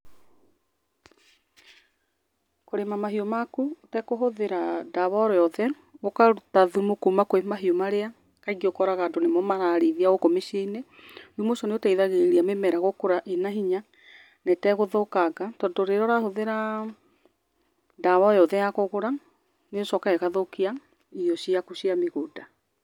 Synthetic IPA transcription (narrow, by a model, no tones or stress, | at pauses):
koɾemamaɦiomakutɛkoɦoðeɾadaβɔɾjɔðɛ | okaɾutaðumokumakoemaɦiomaɾea | kaiɣiokɔɾaɣadonemɔmaɣaɾeðiaɣokomeʃieineumosɔneotaiðaɣeeɾiamemɛɾaɣokoɾaʔenaɦiɲa | nɛtɛɣoðokaɣatɔːndɔɾeɾɔɾahoðeɾa | daβɔjɔðɛjakoɣoɾa | nesɔkaɛɣaðokia | iɔʃiakusiameɣoda